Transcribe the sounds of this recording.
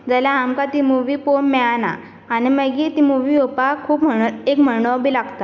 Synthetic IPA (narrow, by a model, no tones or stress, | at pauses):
d͡zəljaamkat̪imuʋiːponmɛana̰ː | ñiməɡit̪imuʋiopakʰuːpməekm̤əɭɳɔbilaɡt̪a